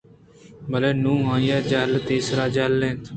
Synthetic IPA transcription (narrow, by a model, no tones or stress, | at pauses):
bəleːnũːɦãːjaːd͡ʒaːlt̪eːsɾaːd͡ʒaːlːẽːt̪ʰ